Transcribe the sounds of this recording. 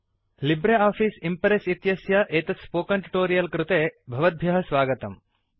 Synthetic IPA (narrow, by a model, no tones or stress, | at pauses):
libɾeaːfiːsimpɐɾesit̪jɐsjɐʔeːt̪ɐspoːkɐɳʈu̥ʈoːɾijɐlkɾut̪eːbʱɐʋɐd̪̚bʱjɐɦɐsʋaːɡɐt̪ɐm